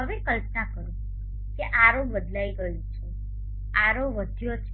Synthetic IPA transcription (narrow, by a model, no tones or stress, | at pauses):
ɦəʋekəlp̚nakəɾũ | keʔaɾokʋəd̪laiɡəjũt͡ʃʰo | aɾoʋəd̪ʱjot͡ʃʰ